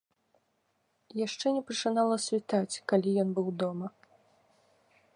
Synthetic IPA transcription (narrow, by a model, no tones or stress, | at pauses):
jaʂt͡ʂɛnʲɛpɐt͡ʂɨnalˠɐsʲvʲit̪at͡sʲkalʲijɔnbɨwd̪ɔmɐ